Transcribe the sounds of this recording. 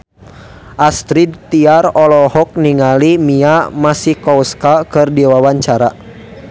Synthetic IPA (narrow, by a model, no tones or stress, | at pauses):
ʔast̪ɾid̪t̪iarɔlɔhɔk̚niŋalimiamasikɔwskakɨrdiwawaɲt͡ʃaɾa